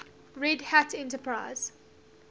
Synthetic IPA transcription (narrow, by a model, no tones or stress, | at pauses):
ɹɛdhætʰɛ̃ntəpʰɹaɪz̥